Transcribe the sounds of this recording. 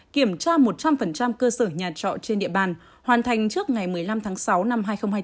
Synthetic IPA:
ki˧˩əmt͡ɕaː˧mo˨˩t̚t͡ɕa˧mfə˨˩nt͡ɕa˧mkəː˧səː˧˩ɲaː˨˩t͡ɕɔ̰˧˨t͡ɕe˧nɗḭ˧˨əɓaː˨˩n | hwaː˨˩nt̪ʰa˨˩jŋ̟t͡ɕɨ˦˥ək̚ŋa˨˩jmɨ˨˩əjla˧mt̪ʰaː˨˦ŋsa˨˦wna˧mɦaː˧jxə˧wŋ͡mhaː˧

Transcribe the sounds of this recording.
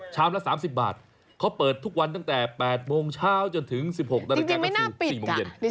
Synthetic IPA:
t͡ɕʰaː˦˥˩wlɛ˦˥saː˩˦msi˨˩p̚ba̰ː˨˩t̪̚ | kʰa˦˥wpɤː˨˩t̪ʰːu˦˥k̚wa˧nt̪̬a˥˩ŋt̪ɛː˨˩pɛː˨˩t̪̚moː˧ŋt͡ɕʰaː˥˩wt͡ɕo˧nt̪ʰɯ˩˦ŋsi˨˩p̚ho˨˩k̚d̪a˧ɾa˧kaː˧ma˥˩jnaː˥˩pi˨˩siː˨˩moː˧je˧n˦

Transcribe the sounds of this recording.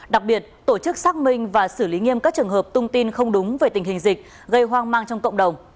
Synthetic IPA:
ɗa˨˩k̚ɓi˨˩ət̚t̪o˧˩t͡ɕɨ˦˥k̚saː˦˥k̚mï˧ŋ̟vaː˨˩sɨ˧˩li˨˦ŋi˧əmkaː˦˥k̚t͡ɕɨ˨˩əŋɦəː˨˩p̚t̪ʰʊ˧ŋ͡mt̪i˧nxə˧wŋ͡mɗʊ˨˦ŋ͡mve˨˩t̪ï˨˩ŋ̟hï˨˩ŋ̟zï˨˩k̟̚ | ɣə˧jɦwaː˧ŋmaː˧ŋt͡ɕɔ˧wŋ͡mkə̰˧˨ŋ͡mɗə˨˩wŋ͡m

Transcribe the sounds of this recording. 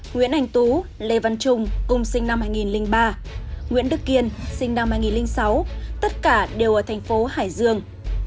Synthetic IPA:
ŋwḭ˧˥ənʔa˧jŋ̟t̪u˨˦ | le˧˩va˧nt͡ɕʊ˧ŋ͡mkʊ˨˩ŋ͡msï˧ŋ̟na˧mhaː˧jŋi˨˩nlï˧ŋɓaː˧ŋḭ˧˥ənɗɨ˦˥k̚ːi˧ənsï˧ŋna˧mhaː˧jŋi˨˩nlï˧ŋ̟sa˨˦wt̪ə˦˥t̚kaː˧˩ɗe˨˩wʔəː˧˩t̪ʰjŋ̟fo˨˦haː˧˩jzɨ˧əŋ

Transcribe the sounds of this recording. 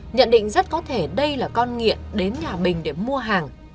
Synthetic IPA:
ɲə̰˧˨nɗḭ̈˧˨ŋ̟zə˦˥t̚kɔ˨˦t̪ʰe˧˩ɗə˧jlaː˨˩kɔ˧nŋḭ˧˨əpɗe˨˦nɲaː˨˩ɓï˨˩ŋ̟ɗe˧˩mu˧əɦaː˨˩ŋ

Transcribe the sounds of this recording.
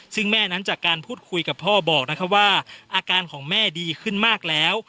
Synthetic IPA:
sɯ˥˩ŋmɛː˥˩na˦˥nt͡ɕaː˨˩kːaː˧npʰuː˥˩t̪̚kʰu˧jka˨˩pʰːɔː˥˩bɔː˨˩k̚na˦˥kʰa˥p̚waː˥˩ʔaː˧kaː˧nkʰɔː˩˦ŋmɛː˥˩diː˧kʰɯ˥˩nmaː˥˩k̚lɛː˦˥w

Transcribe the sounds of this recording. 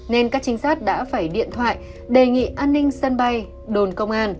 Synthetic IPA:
ne˧nkaː˦˥k̚t͡ɕï˨˦ŋ̟saː˦˥t̚ɗa̰ː˧˥faː˧˩jɗḭ˧˨ənt̪ʰwa̰ː˧˨j | ɗe˨˩ŋḭ˧˨ʔaː˧nːï˧ŋ̟sə˧nɓa˧j | ɗo˨˩nkə˧wŋ͡mʔaː˧n

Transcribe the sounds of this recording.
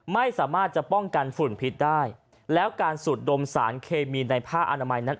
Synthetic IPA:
ma˥˩jsaː˩˦maː˥˩t̪̚t͡ɕa˨˩ʔpɔ˥˩ŋka˧nfu˨˩npʰi˦˥t̪̚daː˥˩j | lɛː˦˥wkaː˧nsu˨˩t̪̚do˧msaː˩˦nkʰeː˧miː˧na˧jpʰaː˥˩k̚ʔa˧naː˧ma˧jna˦˥n

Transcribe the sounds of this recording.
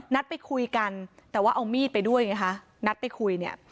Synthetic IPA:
na˦˥t̪̚pa˧jkʰu˧jka˧nt̪ɛː˨˩waː˥˩ʔa˧wmiː˥˩t̪̚pa˧jdu˥˩əjŋa˦˥kʰa˦˥ | na˦˥t̪̚pa˧jkʰu˧jni˥˩ɐə

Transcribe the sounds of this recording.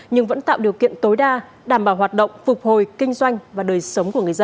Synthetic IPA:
ɲɨ˧ŋvə̰˧˥nt̪a̰ː˧˨wɗi˨˩əwkḭ˧˨ənt̪o˨˦jɗaː˧ | ɗaː˧˩mɓaː˧˩wɦwaː˨˩t̚ɗə̰˧˨wŋ͡mfʊ˨˩k͡p̚ho˨˩jkï˧ŋ̟zwa˧jŋ̟vaː˨˩ɗəː˨˩jsə˨˦wŋ͡mku˧˩əŋɨ˨˩əjzə˧n

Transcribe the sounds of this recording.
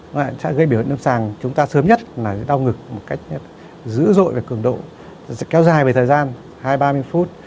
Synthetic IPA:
a̰ː˧˨sa̰˧˥ɣə˧jɓi˧˩˨nəː˧msaː˨˩ŋt͡ɕʊ˨˦ŋ͡mt̪aː˧səː˨˦mɲə˦˥t̚laː˨˩sɛ̰˧˥ɗa˧wŋɨ˨˩k̚mo˨˩t̚ka˦˥jk̟̚ | zɨ̰˧˥zo̰˧˨jvaː˨˩kɨ˨˧˩əŋɗo̰˧˨ | sɛ̰˧˥kɛ˨˦wzaː˨˩jve˨˩t̪ʰːjzaː˧n | haː˧jɓaː˧mɨ˧əjfu˦˥t̚

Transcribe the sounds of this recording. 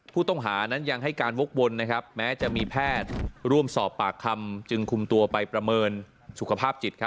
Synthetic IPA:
pʰuː˥˩t̪ɔ˥˩ŋɦaː˩˦na˦˥nja˧ŋɦa˥˩jkaː˧nwo˦˥k̚wo˧nːa˦˥kʰa˦˥p̚mɛː˦˥t͡ɕa˨˩miː˧pʰɛː˥˩t̪̚ɾu˥˩əmsɔː˨˩pːaː˨˩kʰːa˧mt͡ɕɯ˧ŋkʰu˧mt̪u˧ɐpa˧jpɾa˧mɤː˧n | su˨˩kʰa˧pʰaː˥˩p̚t͡ɕi˨˩t̪̚kʰa˦˥

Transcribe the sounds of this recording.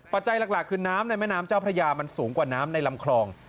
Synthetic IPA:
pa˨˩t̪̚t͡ɕa˧jla˨˩k̚laː˨˩kʰːɯː˧naː˦˥mna˧jmɛː˥˩˨naː˦˥mt͡ɕaː˥˩wpʰɾa˧jaː˧ma˧nsuː˩˦ŋkwaː˨˩naː˦˥mna˧jla˧mkʰlɔː˧ŋ

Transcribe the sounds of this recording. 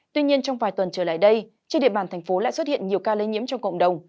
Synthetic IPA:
t̪wi˧ɲi˧ənt͡ɕɔ˧wŋ͡mvaː˨˩jt̪wə˨˩nt͡ɕəː˧˩la̰ː˧˨jɗə˧j | t͡ɕe˧nɗḭ˧˨əɓaː˨˩nt̪ʰɛ˨˩ŋ̟fo˨˦la̰ː˧˨jswə˦˥t̚hḭ˧˨ənɲi˨˩əwkaː˧le˨˦ɲḭ˧˦əmt͡ɕɔ˧ŋ͡mkə̰˧˨ŋ͡mɗə˨˩wŋ͡m

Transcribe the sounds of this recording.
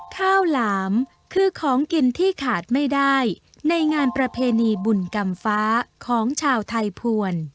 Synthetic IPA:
kʰaː˥˩wlaː˩˦m | kʰɯː˧kʰɔː˩˦ŋki˧nt̪ʰiː˥˩kʰaː˨˩t̪̚ma˥˩jdaː˥˩j | na˧jŋaː˧npɾa˧pʰeː˧niː˧bu˨˩nka˧mfaː˦˥kʰɔː˩˦ŋt͡ɕʰaː˧wt̪ʰa˧jpʰu˧ən

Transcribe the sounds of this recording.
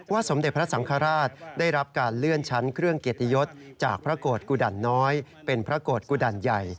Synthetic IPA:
waː˥˩so˩˦mde˨˩t̪̚pɾa˦˥sa˩˦ŋkʰaː˧ɾaː˥˩t̪̚daː˥˩jɾa˦˥p̚kaː˧nlɯ˥˩ənt͡ɕʰa˦˥nkʰɾɯ˥˩əŋke˨˩t̪ːi˧jo˦˥t̪̚t͡ɕa̰ː˨˩k̚pʰɾa˦˥koː˨˩t̪̚kuː˧˩da˨˩nːɔː˦˥j | pe˧npʰɾa˦˥koː˨˩t̪̚kuː˧da˨˩nja˨˩j

